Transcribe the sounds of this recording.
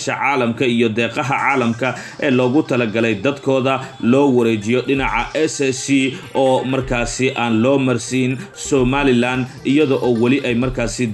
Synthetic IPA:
ʃɐʕɑːlɐmkʰɐijɔd̪ɛːqɑɦɐʕɑːlɐmkʰɐ | ʔɛːlɔːɣʊt̪ʰɐlɐɡɐlɛjd̪ɐd̪kʰɔːðɐlɔːwɐɾɛt͡ʃɪjɔɖɪnɑʕɑʔɛsɛsiːɔːmɐrkʰaːsɪʔaːnlɔːmɐrsiːn | sɔːmaːlɪland̪ | ɪjɐðɔʔɔːwɐlɪʔɛjmɐrkʰaːsɪ

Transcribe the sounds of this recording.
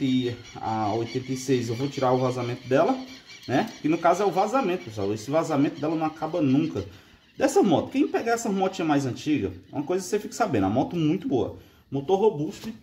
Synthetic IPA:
ɪ | a̰ojt̪ẽnt̪ɐisejzewvot͡ʃiɾaʊvazamẽnt̪ʊd̪ɛlɐnɛkɪnʊkazʊɛʊvazamẽnt̪ʊpeswa̰wesɪvazamẽnt̪ʊd̪ɛlɐnɐ̃w̃akabɐnũkɐ | d̪ɛsɐmɔt̪ʊ̥kẽj̃pɛɡɐɛsɐmɔt͡ʃĩɐmajzɐ̃nt͡ʃiɡɐ̰ṵ̃mɐkojzɐkɪ̥sefikɐ̥sabẽnd̪ɐ̰mɔt̪ʊmũj̃t̪ʊboɐ̰ | mot̪oɦobustɪ

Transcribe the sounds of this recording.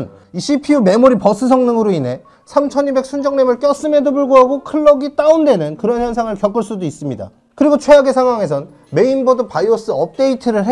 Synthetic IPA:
n | iɕʰipʰiume̞moɾipʌs͈ʰɯs̬ʰʌŋnɯŋɯɾoine̞ | sʰamt͡ɕʰʌɲibe̞k̚sʰund͡ʑʌŋnemɯɭk͈jʌs͈ɯme̞dobuɭɡoɦaɡokʰɯɭːʌɡit͈aunde̞nɯnkɯɾʌnçjʌns̬ʰaŋɯɭkjʌk͈ɯɭs͈udois͈ɯmɲida̰ | kɯɾiɡot͡ɕʰwe̞aɡe̞sʰaŋɦwaŋe̞s̬ʰʌn | me̞inbʌdɯpaios͈ɯʌp̚t͈e̞itʰɯɾɯɭɦ

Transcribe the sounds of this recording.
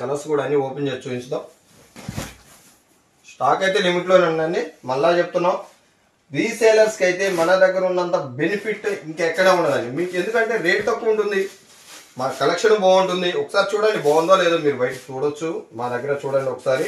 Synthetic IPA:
kɐlɐskuːɽaːnːioːpeɲd͡ʒet͡ʃuːiɲt͡ʃɐd̪aːm | sʈaːkɐjt̪e̞ːnimiʈ̬lo̞ːnuɳːanːimɐlːaːt͡ʃeput̪unːaːm | ɾiːseːlɐɾskɐjit̪e̞ːmɐnɐd̪ɐɡːɐɾɐunːɐnt̪ɐbe̞nipʰiʈːiŋkɛkːɐɽeːuɳɖɐd̪aːnimiːke̞nd̪ukɐɳʈe̞ːɾe̞ːʈit̪ɐkːɐuɳʈund̪i | mɐkɐlɐkʂɐnbɔːuɳʈund̪iɔkːɐ̥saːɾit͡ʃuːɽaːnːibɔːwɐnd̪oːle̞ːd̪umiːɾubɐjʈɐkt͡ʃuːɽot͡ʃːumaːd̪ɐɡːɐɾɐt͡ʃuːɽaːniɔkːɐ̥saːɾi

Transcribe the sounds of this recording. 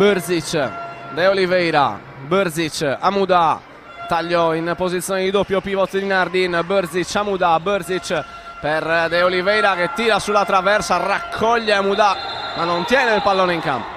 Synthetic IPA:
bəɾzit͡ʃd̪ɛolivɛjɾa̰ | bəɾzit͡ʃa̰mud̪a | t̪aʎːɔinpozit̪sjɔːnid̪id̪opjopːivɔt̪ːid̪inaɾd̪inbəɾzit͡ʃːamud̪abəɾzit͡ʃ | peɾd̪ɛolivɛjɾaket̪ːiːɾasulːat̪ːɾavɛɾsarakʰːɔʎːɛamud̪amanont̪jɛːnɛilpalːoːnɛiŋka̰mpɔ

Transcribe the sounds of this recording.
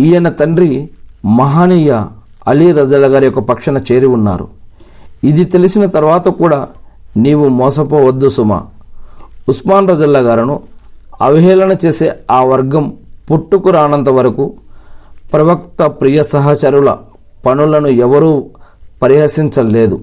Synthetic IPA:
iːjɐnːɐt̪ɐɳɖɾimɐɦaːniːjɐ | ɐliɾɐd͡ʒɐlːɐɡaːɾijɔkːɐpɐkʂɐnɐt͡ʃe̞ːɾiunːa̰ːɾṵ | id̪it̪e̞lisinɐt̪ɐɾʋaːt̪ɐkuːɽaːniːwumɔːsɐpoːʋɐd̪ːusuma̰ː | usmaːnɾɐd͡ʒɐlːɐɡaːɾinuɐʋiɦɛːlɐnɐt͡ʃe̞ːsḛːaːʋɐɾɡɐmpuʈːukuɾaːnɐnt̪ɐʋɐɾɐku | pɾɐʋɐkt̪ɐpɾijɐsɐɦɐt͡ʃɐɾulɐ̰ | pɐnulɐnuɛʋɐɾuːpɐɾiɦɐsiɲt͡ʃɐlːe̞ːd̪u

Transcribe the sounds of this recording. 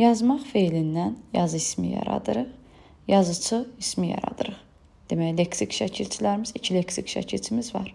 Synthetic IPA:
jɑzmɑχfejlind̪ænjɑzɯismḭjɑ̰ɾɑ̰d̪ɯɾɯʁ | jɑzɯt͡ʃʰɯismijɑ̰ɾɑ̰d̪ɯɾɯʁ | d̪̥emæleksicʃæcʰilt͡ʃʰilæɾimizicʰileksikʃæ̰cʰilt͡ʃ̪ʰimizvɑɾ

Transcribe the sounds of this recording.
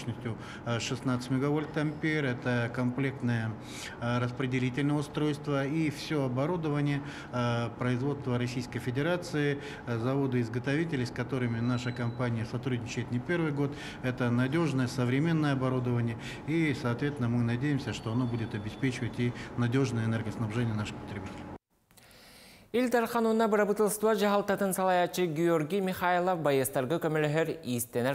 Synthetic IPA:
nəsʲtʲjʊ | ʂɨsnat̪sɨ̥tʲmʲɪɡɐvolʲt̪ɐmpʲerɛt̪əkɐmplʲe̞k̚t̪nəjə | ɾəspɾʲɪdʲɪlʲitʲɪlʲnəjəʊst̪ɾo̞jst̪vəifsʲoɐbɐɾud̪əvənʲɪjə | pɾəɪzvo̞t̪st̪vəɾɐsʲijskəjfʲɪdʲɪɾat̪sɨɪ | zɐvo̞d̪ɨɪzɡət̪ɐvʲitʲɪlʲɪskɐt̪o̞ɾɨmʲɪnaʂəkɐmpanʲɪjəsɐt̪ɾud̪ʲnʲɪt͡ɕɪjɪt̪nʲɪpʲe̞rvɨjɡo̞t̪ | ɛt̪ənɐdʲo̞ʐnəjəsəvɾʲɪmʲe̞nːəjəɐbɐɾud̪əvənʲɪjə | isɐːt̪vʲet̪ʲnəmɨnɐdʲejɪmsʲəʂt̪o̞ɐno̞budʲɪt̪ɐbʲɪspʲet͡ɕɪvətʲinɐdʲo̞ʐnəjəɛnerɡəsnɐbʐɛnʲɪjənaʂɨ̥xpə̥t̪ɾʲɪbʲitʲɪlʲɪ | ilʲd̪ɑɾqʰɑnunɑbɨɾabɨt̪ɨlˠst̪uɑd͡ʒɑɦɑlˠt̪ɑt̪ɯnsɐlˠɑjɑt͡ʃɨɡʲiorɡʲijmʲɪχailˠəfbajəst̪ɑɾɡɯkømøløɦøɾist̪ene

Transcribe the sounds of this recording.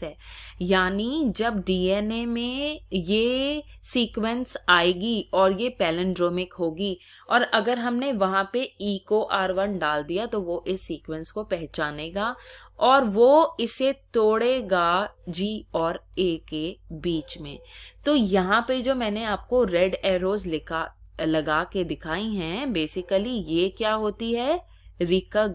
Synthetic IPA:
ɛːjaːnid͡ʒɐbɖiːɛːnemẽjesiːkwə̃nsaːeːɡiɔːɾjepɛːlə̃ɳɖɾoːmɪkɦoːɡi | ɔːɾɐɡəɾɦɐmneʋɐɦãpeiːkoʔaːɾʋɐnɖaːld̪ijat̪oʋoʔɪsːiːkwə̃nskopɛɦt͡ʃaːneːɡaːɔːɾʋoɪset̪oːɽeɡad͡ʒiːɔːɾeːkebiːt͡ʃmḛ̃ːt̪oːjɐɦãped͡ʒoːmɛːneaːp̚koɾɛɖeːɾoːzlɪkalɐɡaːked̪ɪkʰaːiɦɛ̃beːsɪkəlijekjaːɦoːt̪iɦɛː | ɾɪkəɡ

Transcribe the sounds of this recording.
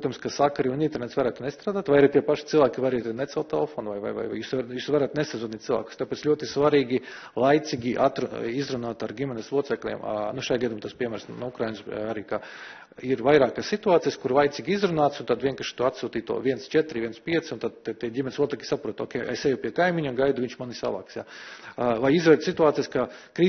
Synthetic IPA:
pɾuɔt̪amskasakaɾiunĩnt̪ɛɾnet̪sʋaɾæːt̪nɛst̪ɾaːd̪aːt̪ʋajaɾipʲiɛpaʃi̥t̪silˠʋaːkʲiʋaɾɛjt̪nɛt̪sɛlˠt̪ɛlˠfoːnvajva̰jʋa̰ja̰juːsajuːsvaɾæːt̪neszuniːt̪silˠʋa̰ːkʊ̥st̪apet̪slʲuɔt̪isʋaɾiːɡʲi | lˠajt̪siɡʲiʔat̪ɾuizɾunaːt̪aɾɡʲimʲɛneslˠuɔt̪sɛklʲḭm̰nuʃajɡad̪imːt̪aspʲiɛmæːɾsnuukɾajinsaɾiːka | iɾvajɾaːkassit̪uaːt̪ijaskuɾlˠajt̪sʲiɡʲiizɾunaːt̪sunt̪ad̪ʋiɛŋkaʃi̥t̪uɔat̪suːt̪iːt̪ṵɔ̰ʋʲiɛnst͡ʃɛt̪ɾiʋiɛnspʲiɛt̪sʲunt̪ad̪̚t̪t̪iɛdʲimʲɛnsluɔt̪sɛklʲsapɾuɔt̪o̰ːkʲɛjesɛjupʲiɛkajmiɲʲuɡajd̪uʋiɲʲʃmanisa̰va̰ːksja̰ | vajizɾoːjt̪sit̪uaːt̪sijaskakɾiː

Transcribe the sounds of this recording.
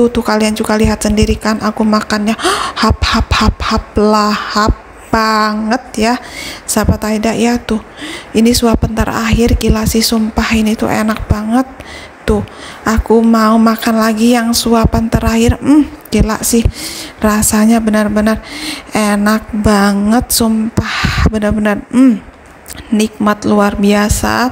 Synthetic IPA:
t̪ut̪uhkaliand͡ʒuɡaliɦat̪səndiɾikanʔakumakanɲahap̚haphap̚hap̚lahap̚ | baŋət̪̚jasapat̪aidaʔjat̪ʊh | inisuapant̪əɾa̰ɦɪrkilaʔsɪhsumpahinit̪ṵʔḛnak̚baŋət̪ː | ʊhʔakumaumakanlaɡijaŋsuapant̪əɾahɪr̩kila̰ʔsɪhrasaɲabənərbənərenak̚baŋət̪̚sumpahbənərbənər̩m | nik̚mat̪luarbiasa̰

